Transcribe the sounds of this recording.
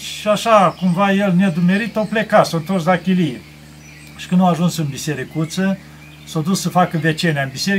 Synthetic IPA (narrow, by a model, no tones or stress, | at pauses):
ʃiaʃakumvajelned̪ume̞ɾit̪owplekasont̪orsd̪akʲilije | ʃi̥kɨnd̪aaʒunsɨnbiseɾikut̪sə | sod̪ussəfakəvet͡ʃeneaɨnbiseɾi